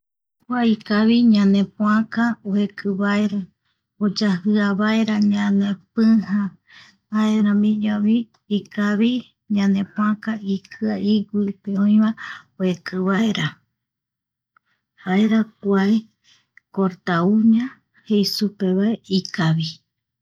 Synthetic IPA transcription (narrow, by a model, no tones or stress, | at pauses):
kʷaikaβiɲãnẽpũãkaoekʰɨβaeɾa | od͡ʒahɨaβaeɾaɲãnẽpɨ̃hã | aeɾãmĩɲõβiː | kaβi | ɲãnẽpũãkaikʰɨaiɡipeõij̃βaoekɨβaeɾa | haeɾak̚ʷae | koɾt̪auɲã | hejsupeβaeʔikaβi